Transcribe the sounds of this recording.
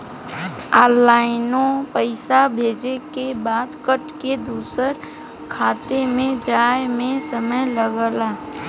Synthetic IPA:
aːlaːɪnõpəɪsabʱeːd͡ʒekebaːd̪kəʈked̪uːsəɾ | kʰaːt̪emẽd͡ʒaːjmẽsəməjləɡəlaː

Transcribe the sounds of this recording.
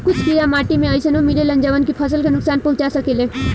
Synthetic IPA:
kʊt͡ʃʰpiɾamaːʈimẽaisənomilelənd͡ʒaːʋənkipʰəsəlkenʊksaːnpuɦt͡ʃasəkeːle

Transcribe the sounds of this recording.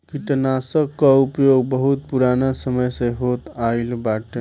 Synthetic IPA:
kiʈnasəkːaupjoɡ̚bəɦut̪̚puɾanasəməjsẽɦot̪ailbaʈ

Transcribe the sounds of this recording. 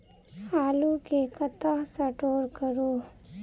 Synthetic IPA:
aːlukekət̪asɐʈoːɾkəɾoː

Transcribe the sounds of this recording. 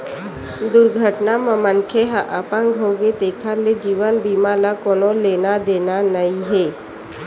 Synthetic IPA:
d̪ʊɾɡʱəʈnaməmənkʰeɦaʔəpə̃ŋɡʱɦoːɡet̪eːkʰaled͡ʒiːʋənbiːmalakoːnoleːnad̪eːnanəiɦeː

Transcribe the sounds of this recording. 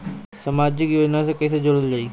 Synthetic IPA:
sɐmaːd͡ʒjɪkjoːd͡ʒnasẽkɛːs̬ed͡ʒoɽəld͡ʒaːiː

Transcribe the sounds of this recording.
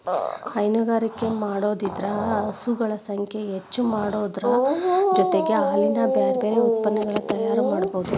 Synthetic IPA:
ɐjnuɡaːɾikːe̞maːɽo̞ːd̪id̪ɾɐːsuɡɐɭɐsɐŋkʰeɦet͡ʃːumaːɽoːd̪ɾɐd͡ʒɔt̪eɡe̞aːlinɐbeːɾeeːɾeut̪̚pɐnːɛɡɐɭɐt̪ɐjaːɾumaːɽboːd̪u

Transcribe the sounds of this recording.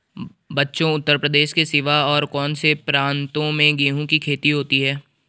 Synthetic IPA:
bɐtːʃõʊt̪ːəɾpɾəd̪eːʃkesɪʋaɔːɾkɔːnsepɾãːnt̪õmẽɡeːɦũkikʰeːt̪iɦoːt̪iɦɛː

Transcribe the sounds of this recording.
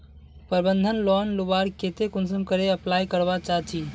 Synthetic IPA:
pəɾbənd̪ʱənlɔnlubaɾket̪ekunsəmkəɾeəplajkəɾbat͡ʃaɦt͡ʃʰi

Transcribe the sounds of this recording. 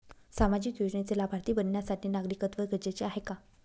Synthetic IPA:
samad͡ʑiːt̪ud͡ʑɳet͡selabʱaɾt̪iːbənːjasaʈʰiːnaɡɾikət̪ʋəɾɡʱəd͡ʑet͡ɕeaɦeka

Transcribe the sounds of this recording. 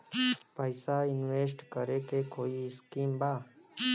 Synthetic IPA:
pəjsaɪnweːs̬ʈkəɾekekoːiskiːmbaː

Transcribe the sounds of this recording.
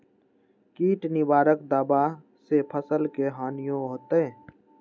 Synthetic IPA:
kiːʈnɪwaːɾəkd̪aːba | sepʰəsəlkeɦaːnɪjõɦoːt̪ɛ̃ː

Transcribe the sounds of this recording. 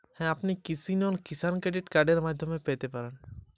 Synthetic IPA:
hɛ̃ɐpnekɪsineʊnkɪsaːnkɾeːɖɪʈkaːɾɖeɾmaːd̪ʱõmẽpeːt̪epɐɾən

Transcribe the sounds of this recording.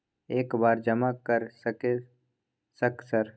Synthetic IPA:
eːkbaːɾd͡ʒɐmakəɾsəke | səksəɾ

